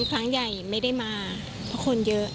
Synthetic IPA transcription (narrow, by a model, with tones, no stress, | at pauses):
nkʰɾa˦˥ŋja˨˩jma˥˩jda˥˩jmaː˧ | pʰɔ˦˥kʰo˧njɤ˦˥ʔ